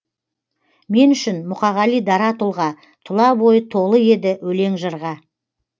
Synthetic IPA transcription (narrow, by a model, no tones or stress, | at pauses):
me̞nʏʃɪnmʊqɑʁɑlijd̪ɑɾɑt̪ulˠʁɑ | t̪ʰʊlˠɑbo̞jət̪ʰo̞lˠəe̞d̪ɪwɵle̞ŋʒəɾʁɑ